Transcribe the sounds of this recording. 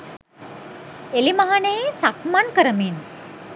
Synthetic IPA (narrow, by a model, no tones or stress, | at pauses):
elimaɦanəjesakmankəɾəmin